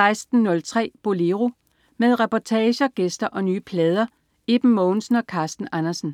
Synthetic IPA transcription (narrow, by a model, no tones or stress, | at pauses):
ɑ̈ɪsd̥n̩ːɔ̽lt͡sʰʁɛ̰ːb̥o̝leʁo | með̞ˠʁɛpɒt͡sʰɛːɕɐɡ̥esd̥ɐʔɒ̽nyːpʰlɛːð̞ˠɐ | e̝b̥m̩mɔːnsn̩ɒ̽kʰɑ̈ːsd̥n̩ænɐsn̩